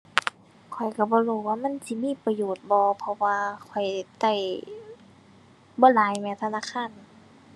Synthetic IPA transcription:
kʰɔ˨˩jka˧˩bɔː˧˦luː˧˩waː˧˩˨ma˧˥˨nsi˧˦miː˧˥˨pa˧joː˨˩t̪̚bɔː˧˦pʰɔ˧waː˧kʰɔ˨˩jt̪a˧˩j | bɔː˧˨laː˨˦jma˧˨t̪ʰa˧naː˧˥˨kʰaː˧˥˨n

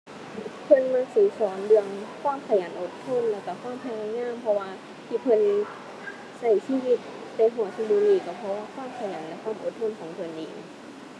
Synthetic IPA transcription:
pʰɤ˧˨nmaː˧˥suː˨˦sɔː˨˦ndɯ˧əŋkʰwaː˧˥˨mkʰa˧jaː˨˦nʔo˧˩t̪ʰːo˧˥˨nlɛː˧˩wka˧˩kʰwaː˧˥˩mpʰa˧naː˧˥˨ŋaː˧˥˨mpʰɔ˧waː˧ | t̪ʰiː˧˩pʰɤ˧˥˨n | sa˧˩jsiː˧˨wi˧˥t̪̚pa˧˦jɦu˨˩˦ɐ˦si˧duː˧˨liː˧˩ka˧˩pʰɔ˧waː˧˨kʰwaː˧˥˨mkʰa˧jaː˨˦nlɛ˧˥kʰwaː˧˥˨mʔo̰˧˩t̪ʰːo˧˥˨nkʰɔː˩˦ŋpʰɤ˧˨nʔiː˨˩ŋ̚

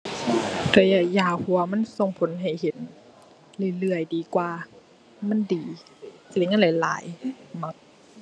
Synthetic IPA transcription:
tɔ˧˩jaː˧˩kjaː˧˩hu˧˩˦wa˧ma˧˥˨nso˧˩ŋpʰo˨˦nɦa˨˩jhe˨˦n | lɯ˧˩lɯ˧˩əjdiː˨˦kwaː˨˩ | ma˧˥˨ndiː˨˦ | t͡ɕa˧˨le˧˨˦ŋa˧˥˨la˨˩jla̰ː˨˦jma˧˦k̚

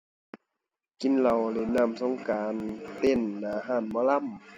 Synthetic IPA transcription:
ki˨˦nla˨˩wle˧˩˨nːa˧˥˨mso˧˨ŋkaː˨nt̪e˧˨nːaː˨˦ɦaː˧˩˨nmɔː˧˥˨la˧˥˨m

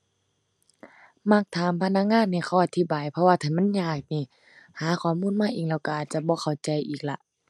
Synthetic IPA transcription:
ma˧˥k̚t̪ʰaː˨˦mpʰa˧˨na˧˥k̚ŋaː˧˥˨nːaː˧˩kʰa˧˩ʔa˨˧˦t̪ʰi˧baː˨jpʰɔ˧waː˧t̪ʰaː˨˩ma˧˥˨nɲaː˧˩k̚niː˧˨ | haː˨˦kʰɔː˨˦muː˧˥˨nmaː˧˥˨ʔiː˨˩ŋlɛː˧˩wka˧ʔa˨˩t͡ɕa˧˦bɔː˧˦xʰa˨˩wt͡ɕa˧˦jʔiː˨˩k̚la˧ʔ

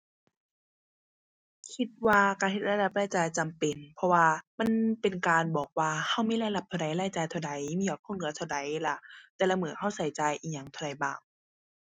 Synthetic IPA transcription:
kʰi˧t̪̚waː˧kaː˧˩he˧˩t̪̚la˧˥˧da˧˩p̚laː˧˥˩jt͡ɕa˨˩jt͡ɕa˨mpe˨npʰɔ˧waː˧ma˧˥˨npe˨nkaː˨˧nbɔː˨˩k̚waː˧ha˧˩wmiː˧˥la˧da˧p̚t̪ʰa˧da˨˦jlaː˧˩jt͡ɕaː˧jt̪ʰa˧wda˨˦jmiː˧˥˨bɔː˨˩kʰo˧˥˨nŋɯ˧˦t̪ʰa˧˩wda˨˦jla˧˦t̪ɛː˧˩la˧mɯː˨˩˦ha˧˥˩wsa˨˦jt͡ɕa˨˧jʔiː˨ɲa˧˦ŋt̪ʰa˧˩˨da˨˦jbaː˧˩ŋ

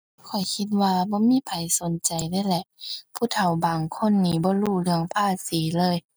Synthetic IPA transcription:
kʰɔ˨˩jkʰi˧t̪̚waː˧bɔː˧˦miː˧˥˨pʰa˨˩jso˨˦nt͡ɕa˨jdaː˧˥˨jlɛ˧ʔpʰuː˧˩˨t̪ʰa˨˩wbaː˨˩ŋkʰo˧˥˨nːiː˧˩bɔː˧˦luː˧˩lɯ˧˩əŋpʰaː˧˩siː˨˦lɤː˧˨j

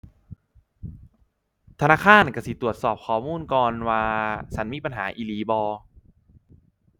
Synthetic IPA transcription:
t̪ʰa˧naː˧˥˩kʰaː˧˥˩nka˧˩si˨˦t̪ɾu˨˩ət̪̚sɔː˨˩p̚kʰɔː˨˩˦muː˧˥˨nkɔː˧nwaː˧t͡ɕʰa˦˥nmiː˧˥pa˧nɦa̰ː˩˦ʔiː˧liː˨˦bɔː˧

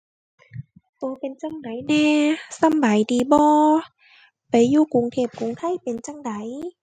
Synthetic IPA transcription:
t̪oː˧˦pe˨nt͡ɕa˧˥˨ŋda˨˦jnɛː˧˩sa˧˩˨mba˨˦jdiː˨˧bɔː˧˦ | pa˨˦jːuː˧˩ku˨˦ŋt̪ʰeː˧˩p̚ku˨˦ŋt̪ʰa˧˥˨jpe˨nt͡ɕa˧˩˨ŋda˨˩˦j

